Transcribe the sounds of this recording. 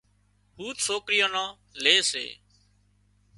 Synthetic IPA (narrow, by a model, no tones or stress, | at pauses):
huːt̪soːkɾɪjãːnãː | leːsḛː